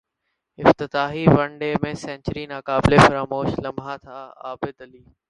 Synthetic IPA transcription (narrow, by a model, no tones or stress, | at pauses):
ɪft̪ɪt̪aːɦiʋɐ̃ɳɖeːmẽːsɛ̃ːɲt͡ɕɾinaːkaːbɪlefɐɾaːmoːʃlɐmbʱaːt̪ʰaːa̰ːbɪd̪ɐliː